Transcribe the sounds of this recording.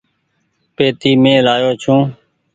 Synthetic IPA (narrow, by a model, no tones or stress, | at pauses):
peːt̪iːmẽːlaːjoːt͡ʃʰũː